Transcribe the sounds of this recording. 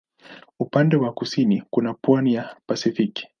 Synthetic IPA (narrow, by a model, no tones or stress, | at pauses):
upandɛwakusinikunapwanijapasifiki̥